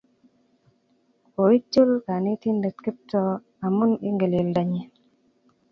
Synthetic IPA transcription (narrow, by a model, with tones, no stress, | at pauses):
o˨i˦t͡ʃːo˦lka˨ni˦t̪i˦nde˨ski˦p̚tɔ˦ | a˨mu˦ni˦ŋɡe˨li˨lda˨ɲi˦